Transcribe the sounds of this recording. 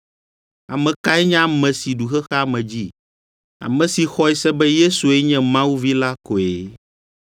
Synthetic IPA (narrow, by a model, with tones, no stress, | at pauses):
a˨mɛ̃˨ka˦ɛ˦ɲã˦˨mɛ̃˨si˨ɖu˨xɛ˦xa˦mɛ̃˨d͡ʑi˦ | a̰˨mɛ̃˨si˨xɔ˦ɛ˦sɛ˦bɛ˦je˦su˨ɛ˦ɲɛ̃˦mã˦wu˦vi˦la˦ko˨e˨